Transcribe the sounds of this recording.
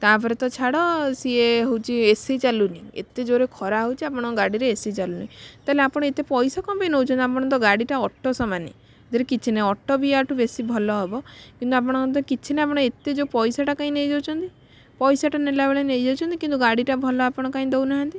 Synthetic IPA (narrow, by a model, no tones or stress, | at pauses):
t̪apʰɔɾet̪ɔt͡ʃʰaɽɔsieɦowt͡ʃʰiesit͡ʃaluniḛt̪ed͡ʒoɾekʰɔɾaɦowt͡ʃʰiapɔɽ̃ɔɡaɽiɾeesit͡ʃaluniit̪aɦeleapɔɽ̃ɔet̪epɔjsɔkɔmpeinɦowt͡ʃʰɔnt̪iap̬ɔɽ̃ɔnt̪ɔɡaɽiʈaɔʈːɔsɔmanḛ | d͡ʒ̪ɔɾekit͡ʃʰineɔʈːɔbiaʈʰubesibʱɔlɔɦebɔkint̪uapɔɽ̃ŋkɔnt̪̬ɔkit͡ʃʰineapɔɽ̃ɔet̪ed͡ʒopɔjsaʈakaɦĩnejd͡ʒawt͡ʃʰɔnt̪i | pɔjsaʈanelabeɭenejd͡ʒawt͡ʃʰɔnt̪ikint̪uɡaɽiʈabʱɔlɔapɔɽ̃ɔkaĩd̪ewnaɦãnt̪i